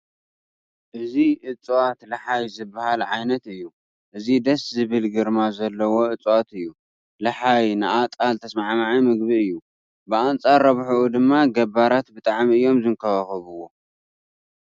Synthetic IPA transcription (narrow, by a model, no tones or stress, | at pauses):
ʔɨziʔɨt͡sʼːwat̪lɐħajzɨbːahalʕajnɐt̪ɨjːu | ʔɨzid̪ɐszɨβɨlɡɨɾmazɐlːɐwo̞ʔɨt͡sʼwat̪ɨjːu | lɐħajnɨʔat̪ʼalt̪ʰɐsmaʕmaʕimɨɡbiɨjːu | bɨant͡sʼaɾːɐβħuʔud̪ɨmːaɡɐbaɾat̪bɨt̪ʼaʕmiɨjːo̞mzɨŋkʰɐwaxɨβɨwo̞